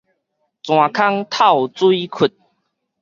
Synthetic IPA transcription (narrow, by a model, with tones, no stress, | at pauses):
t͡sw̃ã˨˩kʰa˦ŋt̪ʰa˥˨wt͡swi˦kʰu˨˩t̪̚